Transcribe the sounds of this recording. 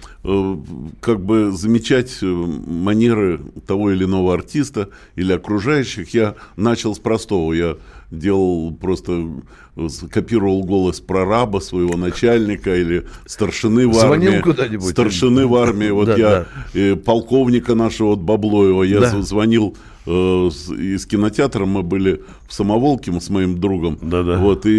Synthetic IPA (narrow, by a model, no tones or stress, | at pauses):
kaɡ̚bɨzəmʲɪt͡ɕætʲmɐnʲe̞ɾɨt̪ɐvo̞ɪlʲɪno̞vəɐrtʲist̪ə | ilʲɪɐkɾʊʐajʉɕːɪxjanat͡ɕɪlˠspɾɐst̪o̞vəjadʲe̞lˠəlˠpɾo̞st̪ə | kɐpʲiɾəvəlˠɡo̞lˠəspɾɐɾabəsvəjɪvo̞nɐt͡ɕælʲnʲɪkəilʲɪst̪ərʂɨnɨvamnʲiɪɪkʊd̪anʲɪbsusʲt̪ərʂɨnɨvarmʲɪɪvo̞t̪jaipɐlˠko̞vnʲɪkənaʂəvəot̪̚bɐblˠo̞jɪvəjazvɐnʲilˠ | iskʲɪnətʲɪat̪ɾəmːɨbɨlʲɪ | fsəmɐvo̞lˠkʲɪmsmɐimd̪ɾuɡəmd̪ad̪vo̞t̪ɨ